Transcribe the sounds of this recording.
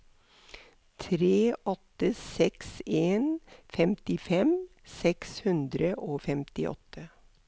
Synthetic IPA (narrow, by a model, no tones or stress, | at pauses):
t̪ʰɾeːɔt̪əsɛkseːnfɛmt̪ɪfɛm | sɛkshʉnd̪ɾəʔoːfɛmt̪ɪʔɔ̰t̪ə